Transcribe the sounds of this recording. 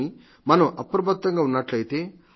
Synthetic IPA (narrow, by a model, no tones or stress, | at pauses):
i | mɐnɐmʔɐpɾɐbʱɐt̪ːɐŋɡaːunːɐʈlɐjt̪e̞ː